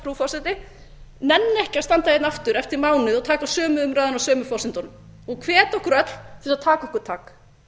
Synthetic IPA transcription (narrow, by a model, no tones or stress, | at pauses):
ɾufɔsɛnt̪ɪ | nɛnːɛhcɪaðst̪ant̪ajet̪naft̪ʏɾɛft̪ɪɾmaːwnɪðɔt̪ʰaːkasœːmʏʏmɾaːjðʏnawsœːmʏfɔwsɪnt̪ɔn | ɔɣkʰvɛːt̪ɔhkʏɾœt̪l̥θɪsat̪ʰaːkaɔhkʏɾ̥t̪ʰaːk